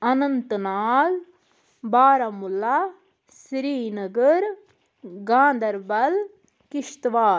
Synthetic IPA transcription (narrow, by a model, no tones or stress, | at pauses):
ɐnɐnt̪ɐnaːl | baːɾɐmula | sɾiːnɐɡɐɾ | ɡãːnd̪ʱɐɾbɐl | kiʂt̪ʋaː